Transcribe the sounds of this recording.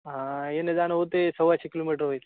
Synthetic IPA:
ɦãjened̪anɦot̪esəʋaɕikilomiʈəɾɦojt̪e

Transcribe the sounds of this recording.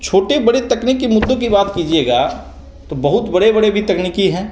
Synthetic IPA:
t͡ʃʰoːʈebɐɽet̪ɐkniːkːimʊd̪ːokibaːt̪kiːd͡ʒieːɡa | t̪obɐɦʊt̪bɐɽebɐɽebʱit̪ɐkniːkiɦɛ̃ː

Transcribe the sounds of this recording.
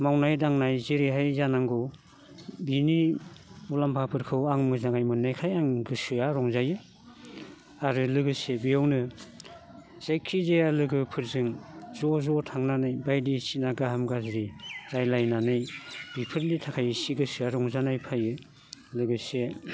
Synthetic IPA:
mawnajdaŋnajziɾiɦajzanaŋɡɔw | bini | ulampʰapʰɯɾkʰɯwaŋmɯznaŋajmɯnːajkʰajaŋɡɯsɯaɾɔŋzajɯ | aɾɯlɯɡɯsebijawnɯ | z̥ajkʰizealɯɡɯpʰɯɾzɯŋzɔzɔtʰaŋnanɯjbajdisinaɡaɦɯmɡazɾiɾajlajnanɯjbipʰɯɾlitʰakʰajsiɡɯsɯaɾɔŋzanajpʰajɯ | lɯɡɯse

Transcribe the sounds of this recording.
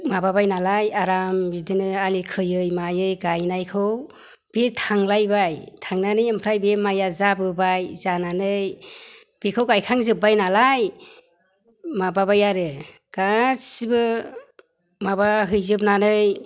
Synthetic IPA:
mababajnalajaɾambidɯnɯalikʰɯjɯjmajɯjɡajnajkʰɯw | b̥etʰaŋlajbajtʰaŋnanɯjɯmpʰɾajbemajazabɯbajzananɯj | b̥ekʰɯwɡajkʰaŋzɯbajnalaj | mababajaɾɯ | ɡ̥asibɯ | mabaɦɯjzɯp̚nanɯj

